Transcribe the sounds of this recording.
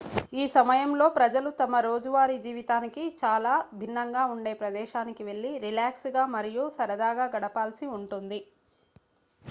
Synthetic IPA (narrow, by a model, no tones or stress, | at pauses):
iːsɐmɐjɐmlo̞ːpɾɐd͡ʒɐlut̪ɐmɐɾo̞ːd͡ʒuʋaːɾid͡ʒiːʋit̪aːnikit͡ʃaːlaːbʱinːɐŋɡaːuɳɖe̞ːpɾɐd̪ɛːʃaːnikiʋe̞ɭːiɾilaːksɡaːmɐɾijusɐɾɐd̪aːɡaːɡɐɽɐpaːlsiuɳʈund̪i